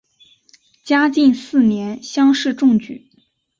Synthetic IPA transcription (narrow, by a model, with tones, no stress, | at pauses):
t͡ɕja˥t͡ɕi˥˧nsɹ̩˥˩njɛ˧˥nɕjɑ˥ŋʂɻ̩˥˧ʈ͡ʂʊ˥˩ŋt͡ɕy̰˨˩˦